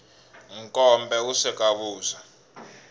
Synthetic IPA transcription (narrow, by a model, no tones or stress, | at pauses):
ŋkʼɔmbʱɛusɛkʼaɓuːza